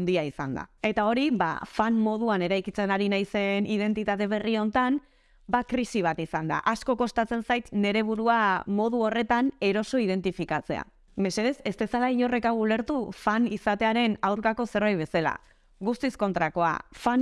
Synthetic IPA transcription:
nd̪iaisa̰nd̪a̰e̞t̪ao̞ɾiβa̰fanmo̞ð̞uane̞ɾajkit͡se̞naɾinajse̞nið̞e̞nt̪it̪at̪e̞β̞e̞rio̞nt̪an | bakɾisiβ̞at̪isand̪a̰ʔasko̞ko̞st̪at͡se̞nsajt̪ne̞ɾe̞β̞uɾuamo̞ð̞uo̞re̞t̪ane̞ɾo̞so̞ið̞e̞nt̪ifikat͡se̞̰a̰ | me̞seðe̞se̞st̪esalaiʎo̞re̞kawule̞ɾt̪ufanisat̪e̞aɾe̞nawɾkako̞se̞ɾβajβ̞e̞sala̰ | ɣust̪isko̞nt̪ɾako̞a̰fan

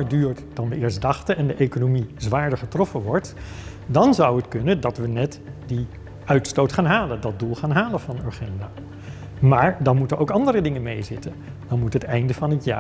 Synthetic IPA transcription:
ədyːɹtd̥ɑndəɪːɹsdɑχtəʔɛndəʔejkonomizʋaːɹdəɹχətrɔfənʋɔɹt | dɑnzʌwɦətkɵnəndɑtʋənɛt | di | ʔœɥtstowtχaːnɦaːləndɑd̚dulˠχaːnɦaːləvɑnøɹχɛndaː | maːɹdɑnmutənowkɑndərədɪŋənmejzɪtən | d̥ɑnmutɦətɛjndəvɑnɦətja̰ː

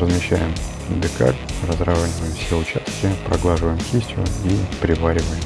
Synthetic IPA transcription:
rəzmʲɪɕːæ̰jɪm | d̪ʲɪka̰lʲrəzravaɲʲɪvəjɪmfsʲeʊt͡ɕast̪̚kʲɪpɾɐɡlˠaʐɨvəjɪmkʲisʲtʲjʊ̰ipɾʲɪvaɾʲɪvəjɪm

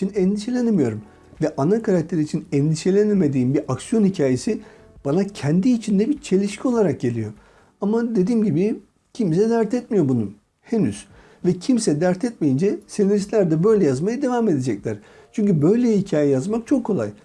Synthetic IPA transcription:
inɛnd̪iʃe̞lʲenemijo̞ɾum | vɛʔanakʰaɾakt̪ʰe̞ɾiːt͡ʃʰinɛnd̪iʃe̞lʲeneme̞d̪iːmbiɾʔaksijo̞nhicʰaːje̞si | b̥anacʰɛnd̪iːt͡ʃʰind̪ɛbit͡ʃʰe̞lʲiʃcʰio̞lˠaɾak̚ɟe̞lʲijo | amad̪e̞d̪iːmɟibi | cʰimsɛd̪æɾt̪ʰɛt̪̚mijo̞bunu | henyz̥ | vɛcʰimsɛd̪æɾt̪ʰɛt̪̚me̞jind͡ʒɛseneɾist̪lʲæɾd̪ɛbø̞jlʲɛjazmajad̪e̞vaːme̞d̪e̞d͡ʒɛclʲæɾ̥ | t͡ʃʰyɲcybø̞jlʲɛhicʰaːjɛjazmak̚t͡ʃʰo̞kʰːo̞lˠa̰j

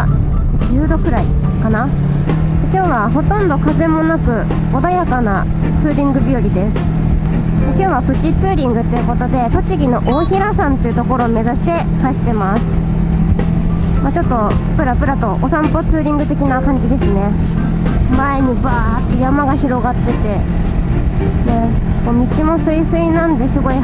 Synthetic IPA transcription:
d͡ʑɨːd̪o̞kɯ̟ɾai | kana | ekʲo̞ːβaɦo̞t̪õ̞nd̪o̞kaze̞mo̞nakɯ̟ | od̪ajakana | t͡sɨːɾʲĩŋɡɯ̟bʲioɾʲid̪e̞sɨ̥ | ekʲo̞ːβapɯ̟t͡ɕit͡sɨːɾʲĩŋɡɯ̟t̪ːe̞jɯ̟ko̞t̪o̞d̪e̞t̪o̞t͡ɕiɡʲino̞ʔoːçiɾasãnt̪e̞iɯ̟t̪o̞ko̞ɾo̞ːme̞zaɕi̥t̪e̞ | haɕi̥t̪e̞masɨ̥ | mat͡ɕo̞t̪ːo̞pɯ̟ɾapɯ̟ɾat̪o̞ʔosãmpo̞t͡sɨːɾʲĩŋɡɯ̟t̪e̞kʲinakãɲ̟d͡ʑid̪e̞sɨne̞ | mae̞ɲ̟ibaː | t̪ːejamaɡaçiɾo̞ɡat̪ːe̞t̪e̞ | ne | koːmʲit͡ɕimo̞sɨisɨinãnd̪e̞sɨɡo̞i

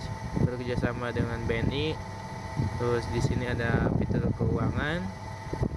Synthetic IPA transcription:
bərkərd͡ʒasamadəŋanbeniʔ | t̪ɾʊsdisiniadapit̪ərkəuaŋan

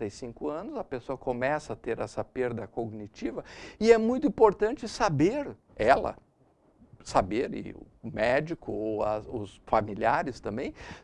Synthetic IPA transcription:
t̪ɐjsĩŋkʊɐ̃nʊzɐpesoɐkomɛsɐat̪eɾɛsɐpeɾd̪ɐkoɡnit͡ʃivɐɪɛmũj̃t̪ʊĩpoɾt̪ɐ̃nt͡ʃɪsabeɾ | ɛlɐ̰ | sabeɾɪ̰ | mɛd͡ʒikʊoɐzʊsfamiliaɾɪst̪ɐ̃mbẽj̃

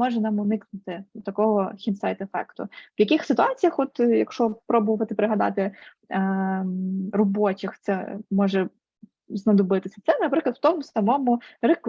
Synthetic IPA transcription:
mɔʐɛnɑmɔnɪknʊt̪ɪt̪ɐkɔɦɔxʲinsajt̪efɛ̰kt̪ʊ̰wjɐkixsɪt̪ʊɑt͡sʲijɐxɔt̪jɐ̰kʃt͡ʃɔpɾɔbʊʋɐt̪ɪpeɾɪɦɐd̪ɑ̰t̪ɪ | rɔbɔt͡ʃɪxt̪sɛmɔʐɛ | znɐd̪ɔbɪt̪ɪsʲɐt̪sɛnɐpɾɪklˠɐt̪wt̪ɔmʊsɐmɔmʊɾɪk

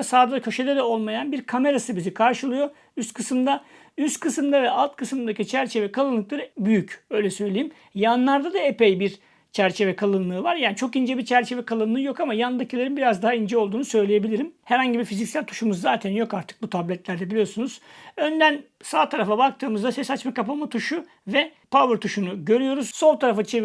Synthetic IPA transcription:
asaːd̪ad̪acʰø̞ʃe̞d̪ɛd̪ɛo̞lˠmajanbiɾkʰame̞ɾasɯbizikʰaɾʃɯlˠɯjo̞ | yst̪kʰɯsɯmd̪a | yst̪kʰɯsɯmd̪avɛalˠt̪kʰɯsɯd̪acit͡ʃʰæɾt͡ʃʰe̞vɛkʰalˠɯnːˠɯk̚lˠaɾɯbyjycø̞jlʲɛsø̞jlʲe̞jim | janlˠaɾd̪ad̪aepejbiɾ | t͡ʃʰæɾt͡ʃʰe̞vɛkʰalˠɯnlˠɯːvaɾjaːnit͡ʃʰo̞kind͡ʒɛbiɾt͡ʃʰæɾt͡ʃʰe̞vɛkʰalˠɯnlˠɯːjo̞kamajand̪acʰilʲˠaɾɯnbiɾazd̪aɦaind͡ʒɛolˠd̪uːnusø̞jlʲeje̞bilʲiɾimhɛɾhaɲɟibiɾfizicsælʲt̪ʰu̥ʃumuzzaːt̪ʰænjo̞kaɾt̪ʰɯ̥k̚but̪ʰablʲɛt̪lʲæɾd̪ɛbilʲijo̞ɾsunuz̥ø̞nd̪æn | saːt̪ʰaɾafabak̚t̪ʰɯːmɯzd̪asɛsat͡ʃmakapamat̪ʰuʃu | vɛ | pʰavɯɾt̪ʰuʃunuɟø̞ɾyjo̞ɾuz̥so̞lˠt̪ʰaɾafat͡ʃʰe

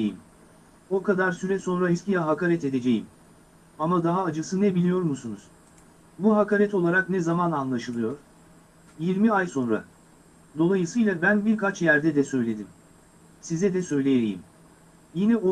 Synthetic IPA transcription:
jḭm | o̞kad̪aɾsyɾɛso̞nɾaiscʲijɛɦakaɾɛt̪e̞d̪e̞d͡ʒejim | amad̪aɦaːd͡ʒɯsɯnɛbilʲijo̞ɾmusunuz̥ | buɦakaɾɛt̪o̞lˠaɾaknɛzamananlˠaʃɯlˠɯjo̞ɾ̥ | jiɾmiajso̞nɾa̰ | d̪o̞lˠajɯsɯjlˠabænbiɾkat͡ʃjæɾd̪ɛd̪ɛsø̞jlʲe̞d̪im | sizɛd̪ɛsø̞jlʲejeɾijḭm | jinɛo

